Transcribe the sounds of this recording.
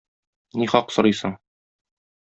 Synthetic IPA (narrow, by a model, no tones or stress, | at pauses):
niχɒqsŏɾɤjsɤɴ